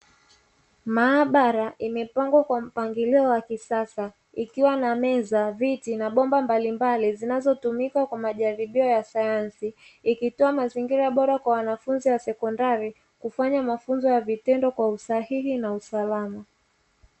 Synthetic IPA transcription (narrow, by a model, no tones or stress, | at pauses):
maːɓaɾaʔimɛpaŋɡwakwam̩paŋɡiliɔwakisasa | ikiwanamɛzavitinaɓɔmbambalimbalizinazɔtumikakwamaʄaɾiɓiɔjasajansiː | kitɔamaziŋɡiɾaɓɔɾakwawanafunziwasɛkɔndaɾi | kufaɲamafunzɔjavitɛndɔkwausahihinausalama